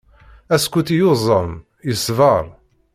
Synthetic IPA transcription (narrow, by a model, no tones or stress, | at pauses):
æskʷːut̪ijʊzˤːəm | jəsvəɾˤ